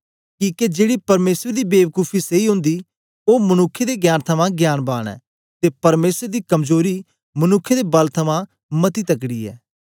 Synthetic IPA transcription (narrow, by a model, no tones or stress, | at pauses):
kiːked͡ʒeːɽipɐɾmeːsɾd̪iːbeːʋkuːpʰiseiɦʊ̃nd̪i | oːmɐnʊkʰːed̪eɡjaːnt̪ʰɐmãɡjaːnbaːɽ̃ɛ̰ː | t̪epɐɾmeːsɾd̪iːkɐmzoːɾi | mɐnʊkʰːed̪ebɐlt̪ʰɐmã | mɐt̪it̪ɐk̬ɽiːɛ̰ː